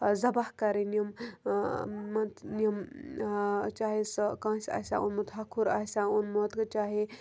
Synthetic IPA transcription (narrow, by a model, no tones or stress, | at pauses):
zɐbahkaɾinjɐm | mɐt̪nijɐm | t͡ʃaːɦeskãːsʲa̰ːsʲã̰ṵnmɐt̪ʰɦakʰuɾa̰sʲaunmot̪kɐt͡ʃaːɦe